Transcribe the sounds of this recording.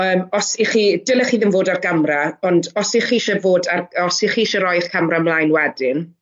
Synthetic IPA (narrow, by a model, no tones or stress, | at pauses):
əːmɔsiχidəlˠəχiːðɪnvoːdarɡamraɔndɔsiχiːʃɛvoːdarɔsiχiːʃɛɾɔjχkʰamramlˠaːjnwɛdɪn